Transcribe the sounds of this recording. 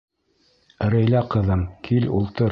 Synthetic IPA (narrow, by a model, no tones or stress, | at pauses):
ɾɘ̆jlæqɤ̆ðɤmkʰilulˠt̪ɤɾ